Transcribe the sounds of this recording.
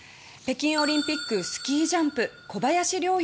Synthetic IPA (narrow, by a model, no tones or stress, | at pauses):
pe̞kʲĩɰ̃o̞ɾʲĩmpʲikːɯ̟sɨ̥kʲiːʑãmpɯ̟ko̞bajaɕiɾʲo̞ː